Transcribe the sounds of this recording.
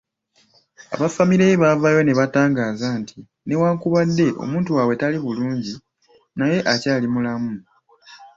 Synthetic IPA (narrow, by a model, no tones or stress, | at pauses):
a̰βafamiɾeβavajo̞ne̞βataːŋɡaːzaːntʰi | ne̞waːŋkuβadːe̞ʔo̞̰muːntuwaːwe̞taliβuluːɲɟi | naje̞ʔacaːlimulamu